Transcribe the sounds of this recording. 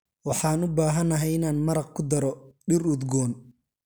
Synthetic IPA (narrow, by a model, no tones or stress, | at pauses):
wɑħɑːnʊbaːɦɐnɐɦɛjɪnaːnmɐɾɑq̚kʰʊd̪ɐɾɔɖɪrʊd̪ɡɔːn